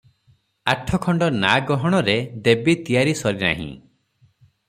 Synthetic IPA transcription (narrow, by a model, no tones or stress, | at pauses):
aʈʰɔkʰɔɳɖɔnaɡɔɦɔɽ̃ɔɾed̪ebit̪ijaɾisɔɾina̰ɦḭ̃